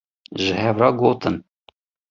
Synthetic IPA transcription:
ʒɪhɛvɾɑːɡoːt̪ʰɨn

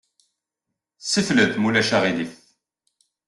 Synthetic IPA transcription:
sifləθmulæʃaʁiliθ

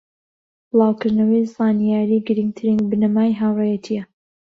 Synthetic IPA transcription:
bɨlˠɑːwkʰɨɾnɐwɐjzɑːnijaːɾiːɡɨɾiŋɡt̪ʰɨɾiŋɡbɨnɐmaːjɦaːwrejɛt̪ʰijɐ

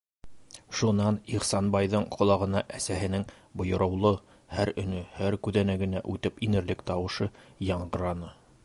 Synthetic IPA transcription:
ʃunɑniχsɑnbɑjðɤɴqʰŏlˠɑʁɤ̆nɑʔæsæhɘ̆nɘŋ | bŏjŏɾɤ̆wlˠɤ | hæɾɵ̆nɵhæɾkʉðænæɡɘ̆næʔʉt̪ɘpinɘ̆ɾlɘkt̪ɑwɤ̆ʃɤjɑɴɢɤ̆ɾɑnɤ

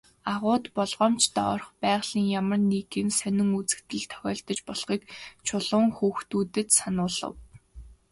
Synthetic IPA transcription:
aʁʊːt̪pɔɮʁɔːmt͡ɕʰt̪ʰɔɔrχpæːʁɮ̥iːŋjamə̆rnikĭmsœnʲɪ̆ŋut͡sɘ̥̆k̚t̪ɘ̆ɮt̪ʰœ̥xʲɔːɬt̪ə̆t͡ɕpɔɮχiːkt͡ɕʰʊɮʊːŋxuːxt̪uːt̪ɘ̆t̪sanʊːɮə̰̆w

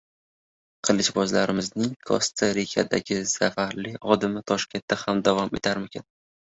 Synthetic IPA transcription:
qʰɨlˠɪʃbɒzlaɾɪmɪznɪŋkʰɒ̰st̪ʰaɾikʲʰa̰d̪a̰ɡʲɪsafaɾlɪɒd̪ɪmɪt̪ʰɒʃkʲe̞nt̪̚ːahamd̪avɒme̞̰t̪ʰaɾmɪkʲʰɪn

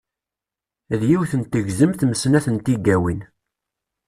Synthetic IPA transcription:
ðjiwθənt̪əʝzəmθməsnæθənt̪iɡːæwin

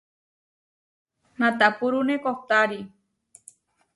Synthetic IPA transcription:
nãt̪apuɾunekoht̪aɾi

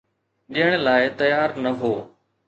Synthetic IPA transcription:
ɗiɦəɽ̃laːɪt̪ɐjaːɾnɐɦoː

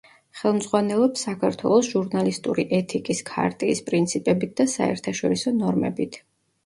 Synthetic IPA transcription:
χɛlˠmd̪z̥ʁwanɛlˠɔpsːakʰaɾt̪ʰwɛ̰lˠɔsʒ̥uɾnalist̪ʼuɾiʔɛt̪ʰikʼiskʰa̰ɾt̪ʼiːspʼɾint̪sʰipʼɛbit̪̚d̪asa̰ɛ̰ɾt̪ʰaʃɔɾisɔnɔɾmɛ̰bit̪ʰ

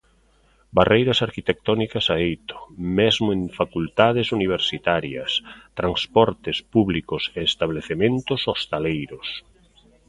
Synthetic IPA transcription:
barejɾɐsaɾkit̪ek̚t̪ɔnikɐsaejt̪o̥mezmʊeŋfakult̪aðɪsuniβ̞eɾsit̪aɾjɐst̪ɾanspɔɾt̪ɪspuβlikʊseːst̪aβleθemẽnt̪ʊsost̪alejɾʊs

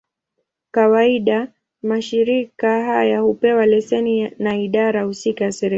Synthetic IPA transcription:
kawaiɗa | maʃiɾikaɦajahupɛwalɛsɛninaiɗaɾahusikajasɛɾɛ

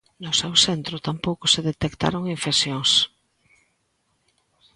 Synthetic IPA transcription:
nosewsent̪ɾot̪ampowkoseðet̪ekt̪a̰ɾoŋiɱfeksjoŋs

